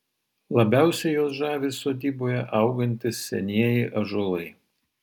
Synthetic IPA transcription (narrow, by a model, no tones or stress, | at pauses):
lˠɐbʲæˑʊsʲɛjoːsʒɑːʋʲiːsoːd̪ʲiːboːjɛʔɐˑʊɡɐnʲt̪ʲɪsʲsʲɛ̰nʲiɛjɪʔɐʒolˠɐɪ